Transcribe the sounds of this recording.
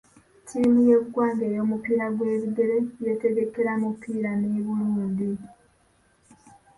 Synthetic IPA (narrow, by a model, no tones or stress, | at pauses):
tʰiːmuje̞βuɡwaːŋɡe̞ːjo̞ːmupiːɾaɡwe̞ːβiɡe̞ɾeje̞te̞ɡe̞ke̞ɾamupʰiːɾaneβuluːndi